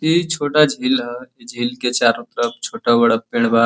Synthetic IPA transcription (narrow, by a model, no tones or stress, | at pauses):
it͡ʃʰoːʈad͡ʒʱiːlɦɛed͡ʒʱiːlket͡ʃaːɾʊt̪ɾəpt͡ʃʰoːʈabɐɽapeɽ̃ba